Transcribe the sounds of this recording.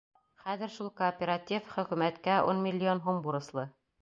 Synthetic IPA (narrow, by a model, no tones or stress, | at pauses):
χæðɘ̆ɾʃulˠkoːpʲeɾatʲifχɵ̆kʉmæt̪kæʔunmʲɪlʲːɪonɦumbuɾɤ̆slˠɤ